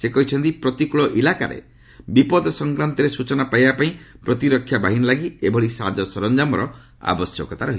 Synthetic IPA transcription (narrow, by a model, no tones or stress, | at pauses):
sekɔɦit͡ʃʰɔnt̪ipɾɔt̪ikuɭɔʔilaka̰ɾḛ | bipɔd̪ɔsɔŋkɾant̪ɔɾesut͡ʃɔnapaijbapaĩpɾɔt̪iɾɔkʰːjabaɦinɔlaɡiebʱɔɽisa̰d͡ʒɔsɔɾɔnd͡ʒamɔɾɔ | a̰bɔsjɔkɔt̪aɾɔɦi